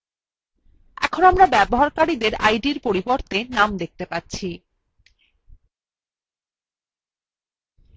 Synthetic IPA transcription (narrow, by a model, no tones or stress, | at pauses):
ɛ̰kʰonamɾabɛboɦaɾkaɾid̪eɾa̰jɖiɾpoɾiboɾt̪enamd̪ek̚t̪epatːɕʰi